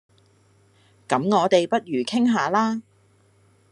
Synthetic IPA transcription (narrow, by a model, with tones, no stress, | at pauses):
kɐ˨˥mŋɔː˨˧t̪e˨jpɐ˥t̚ɥyː˨˩kʰɪ˥ŋɦaː˨˧laː˥